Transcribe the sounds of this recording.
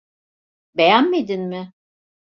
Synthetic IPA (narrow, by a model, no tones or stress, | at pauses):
be̞jænme̞d̪inmɪ